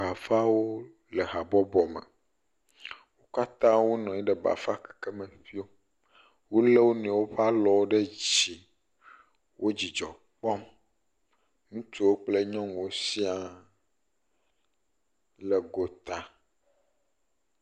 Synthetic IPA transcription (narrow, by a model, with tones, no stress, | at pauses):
a˨fa˦wo˦ | lɛ˨ɦa˨bɔ˦bɔ˨mɛ̰˨ | wo˦ka˦t̪ã˦wo˦nɔ̃˨ɛ˦ɖɛ˨ba̰˨fa˦kɛ̥˨ke˦mẽ˨ɸi˦o˦ | wo˦le˦wo˦nɛ̃˨wo˦ɸa˦lɔ˨wo˦ɖe˦d͡ʑi˨ | wʔo˦d͡ʑi˨d͡ʒɔ˨ | k͡pɔ˦m | ŋũ˦t̪u˦wo˦k͡ple˦ɲɔ̃˦ŋ˨wo˦si˦a˨ | lɛ˨ɡo˨t̪a˨